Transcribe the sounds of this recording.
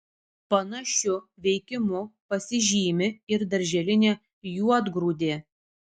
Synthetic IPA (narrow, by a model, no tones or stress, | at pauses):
pɐnɐʃʲʊʋʲɛɪkʲɪmʊpɐsʲɪʒʲiːmʲɪɪɾd̪ɐɾʲʒʲɛlʲɪnʲeː | juɔd̪ɡɾuːd̪ʲeː